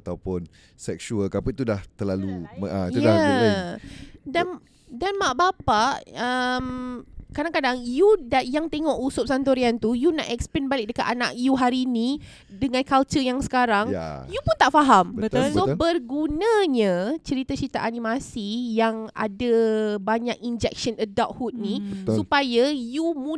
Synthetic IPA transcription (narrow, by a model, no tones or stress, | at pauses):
at̪awpʊn | sɛk̚ʃuəlkapəit̪udaht̪əlaluməəujdaa | dan | danmaʔbapaʔəmkadaŋkadaŋjudajaŋt̪eŋɔʔusʊp̚sant̪̬oɾiant̪ujuna̰ʔɛk̚splɛnbalɪk̚dəkat̪ana̰ʔ̚juɦaɾinĩ | dəŋãnkalt͡ʃəjaŋsə̥kaɾaŋjupunt̪aʔfaɦamət̪sobərɡunãɲə̃t͡ʃəɾit̪at͡ʃəɾit̪aʔanĩmasijaŋa̰dabaɲakind͡ʒɛk̚ʃənədaʔ̚hut̪̚nissupajajumũ